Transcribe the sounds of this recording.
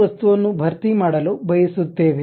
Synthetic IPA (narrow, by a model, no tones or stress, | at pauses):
ɐst̪uʋɐnːubʱɐɾt̪imaːɽɐlubɐjisut̪ːe̞ːʋe